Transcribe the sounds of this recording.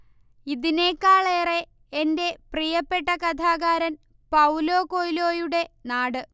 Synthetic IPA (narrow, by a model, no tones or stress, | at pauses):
iðine̞ːkːaːɭeːreː | nde̞prijɐpːe̞ʈːɐkɐt̪ʰaːɣaːɾɐn | pɐwlo̞ːkoːjilo̞ːjuɽe̞naːɽɨ